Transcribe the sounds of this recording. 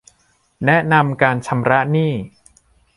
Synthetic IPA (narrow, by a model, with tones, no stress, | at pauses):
nɛ˦˥ʔna˧mkaː˧nt͡ɕʰa˧mɾa˦˥ʔniː˥˩